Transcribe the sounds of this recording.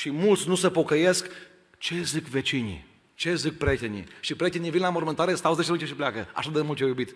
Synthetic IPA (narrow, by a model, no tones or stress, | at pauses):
ʃimult̪sʲnusəpo̞kəje̞sk | t͡ʃe̞zikve̞t͡ʃinʲḭ | t͡ʃe̞zik̚pɾʲet̪enʲḭʃipɾʲet̪enivinlamorment̪aɾest̪awuzeʃiɾunt͡ʃeʃiplʲakəa̰ʃad̪emult̪t͡ʃjajubit̪